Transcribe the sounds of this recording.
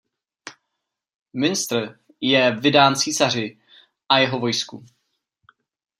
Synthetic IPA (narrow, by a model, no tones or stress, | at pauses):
mɪnst̪r̩ | jɛvɪdaːnt͡siːsar̝ɪ | ʔajɛɦo̞vo̞jsku